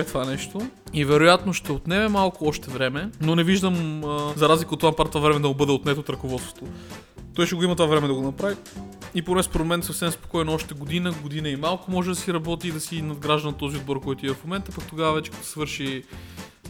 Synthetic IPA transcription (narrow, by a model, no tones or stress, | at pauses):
ɛt̪vanɛʃt̪oivɛɾojat̪noʃt̪ɛot̪nɛvɛmalˠkʊɔʃt̪ɛvɾɛmɛnonɛviʒd̪əmzɐɾazlʲikəot̪ːvampat̪ovavɾɛmɛd̪ɐmʊbɤd̪ɛot̪nɛt̪ot̪ɾɐkovɔt̪st̪vo̥t̪o | t̪ɔisʃɛɡoimɐt̪vavɾɛmɛd̪ɐɡonɐpɾaviiponɛspoɾmomɛnt̪sɐfsɛmspo̥kɔjnoɔʃt̪ɛɡod̪inəɡod̪inəimalˠkʊmɔʒɛd̪ɐsiɾɐbɔt̪iːd̪ɐsinɐd̪ɡɾaʒd̪ɐnɐt̪ɔziod̪bɔɾkɔjt̪ʊiɛfmomɛnt̪əpakt̪oɡavɐvɛt͡ʃɛ̥kət̪svɤɾʃi